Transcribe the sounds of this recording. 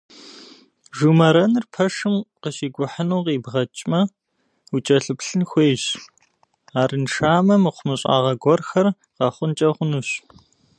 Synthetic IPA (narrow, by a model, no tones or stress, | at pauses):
ʒumɐɾɐnɨrpʰɐʂɨmqəɕiːɡʷʊħənuːqiːbʁɐt͡ʃʼmɐ | ut͡ʃʼɐɬɨpɬɨnxʷeːɕ | aːrɨnʂaːmɐmqʷʊmɨɕʼa̰ːʁɐɡʷɔrxɐr | qɑχʷʊnt͡ʃʼɐχʷʊnuɕ